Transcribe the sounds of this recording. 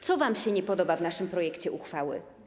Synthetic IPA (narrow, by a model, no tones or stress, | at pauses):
t̪sɔvamɕɛɲɛpɔd̪ɔbavnaʂɘmpɾɔjɛkt͡ɕɛʔuxfawɘ̰